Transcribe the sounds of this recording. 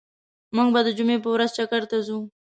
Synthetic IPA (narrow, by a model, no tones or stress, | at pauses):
muɡbad̪əd͡ʒumep̬əwɾazt͡ʃakaɾt̪azu